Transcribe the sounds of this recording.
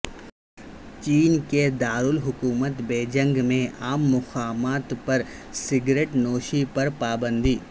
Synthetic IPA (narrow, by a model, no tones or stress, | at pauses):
t͡ʃiːnked̪aːɾʊlɦʊkuːmət̪beːd͡ʒə̃ŋɡmẽaːmːʊxaːmaːt̪pɐɾ | sɪɡɾeːʈnoːʃipɐɾpaːbə̃nd̪ʱiː